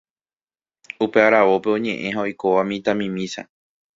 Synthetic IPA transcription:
upeaɾaʋo̞pe̞õ̞ɲẽ̞ʔẽ̞ɦao̞jko̞ʋamĩt̪ãmĩmĩsa̰

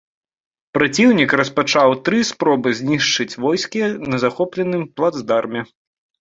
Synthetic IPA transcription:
pɾat͡sʲiwnʲikɾɐspat͡ʂawt̪ɾɨspɾɔbɨzʲnʲiʂt͡ʂɨt͡sʲvɔjskʲinɐzaxɔplʲɛnɨmplˠad̪zd̪armʲɛ

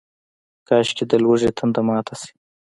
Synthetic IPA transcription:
kɑʃkʲed̪əlwəʐet̪ʰənd̪əmɑːt̪ʰasi̥

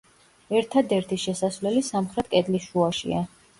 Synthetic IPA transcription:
ɛɾt̪ʰad̪ɛɾt̪ʰiʃɛsasvlɛlisamχɾɛt̪̚ʰkʼɛd̪lisʃuaʃḭa

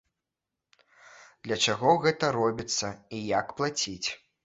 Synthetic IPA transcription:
d̪lʲɐt͡ʂaɣɔɣɛt̪ɐɾɔbʲit̪sːɐijakplˠat͡sʲit͡sʲ

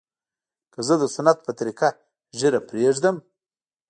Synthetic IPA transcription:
kəzəd̪əsanat̪̚pət̪aɾika | ʒəɾapɾeʐd̪əm

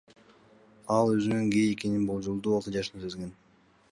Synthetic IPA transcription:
ɑlˠøzynyŋɡejeke̞ninbolˠd͡ʒulˠd̪uːolˠt̪ɯd͡ʒɑʃɯnɯsezɡe̞n

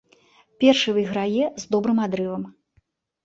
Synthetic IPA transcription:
pʲɛrʂɨjvɨjɣɾajɛzd̪ɔbɾɨmad̪ɾɨvɐm

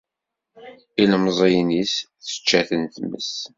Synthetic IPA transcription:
ilmzˤejnisθə̥t͡ʃːæθənθmə̰s

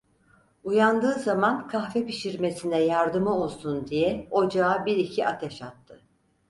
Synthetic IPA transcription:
ujand̪ɯːzamankʰahvɛpiʃiɾmesinɛjaɾd̪ɯmɯo̞lˠsund̪ijɛo̞d͡ʒaːbiɾicʰiʔat̪ʰɛʃat̪ʰːɯ

